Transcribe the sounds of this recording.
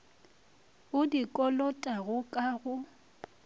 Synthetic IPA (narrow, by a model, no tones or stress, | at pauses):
ʊdikʼɔlɔtʼaɣʊkʼaɣʊ